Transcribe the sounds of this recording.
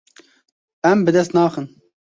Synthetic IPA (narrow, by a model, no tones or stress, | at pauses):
ɛmbɨd̪ɛst̪nɑːxən